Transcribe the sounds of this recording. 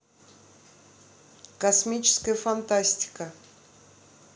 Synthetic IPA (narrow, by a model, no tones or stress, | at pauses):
kɐsmʲit͡ɕɪ̥skəjəfant̪asʲtʲɪ̥kə